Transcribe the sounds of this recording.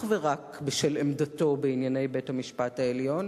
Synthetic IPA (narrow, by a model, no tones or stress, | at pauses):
χveʁakbeʃelemdato̞beinjane̞jbe̞thamiʃpataeljo̞n